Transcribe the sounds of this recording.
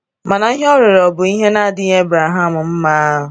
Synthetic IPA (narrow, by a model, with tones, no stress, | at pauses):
ma˨na˨i˦ɦɔ˦ɾɪ˨ɾɔ˨bʊ˨i˦ɦe˦na˦dɪ˦ɲ˦e˦bɾa˨ɦa˦mʊ˨m̩˦ma˦a˦ɦʊ˨